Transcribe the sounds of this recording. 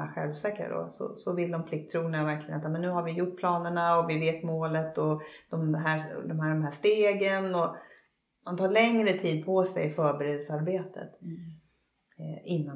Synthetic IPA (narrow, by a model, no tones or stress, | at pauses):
a̰ɧɛlvsɛːkːaɾə̰d̪ɔ̰sɔ̰sɔvɪld̪ɔmpʰlɪk̚t̪ʰːɾuːnavæɾklɪɡənat̪ɑːmɛnːʉ̟ːhaɾvɪjʊʈ̚ːpʰlɑːnəɳaɔvɪveːt̪moːlət̪ɔd̪̥ɔmd̪ɛɦæːd̪ɔmɦæɖɔmɦæːʂt̪eːɡənɔ | mant̪ʰɑːɭɛŋɾət̪ʰiːd̪̚pʰɔsɛ̰jɪfœːɾbɛɾeːd̪əsaɾbeːt̪ʰə̰t̪ | ɪnːa